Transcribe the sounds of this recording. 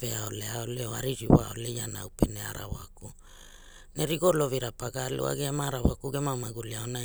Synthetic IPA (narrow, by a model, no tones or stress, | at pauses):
veaoleaoleoa̰ɾiɾiwao̰le̞janawpeneaɾa̰wa̰ku | neɾiɡolo̞viɾapaɡalṵa̰ɡeamaɾawakuɡemamaɡuliaona